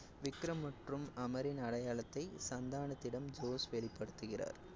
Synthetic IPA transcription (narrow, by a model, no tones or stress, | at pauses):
ʋɪkːɾɐmːɐʈrɯmɐmɐɾɪnɐɽɐjaːɭɐt̪ːɐɪsɐnd̪aːɳɐt̪ːɪɽɐmd͡ʒoːsʋɛɭɪpːɐɽɯt̪ːɯɣɪra̰ːɾ